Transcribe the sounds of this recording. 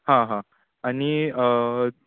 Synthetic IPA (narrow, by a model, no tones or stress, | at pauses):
hãɦã | añiə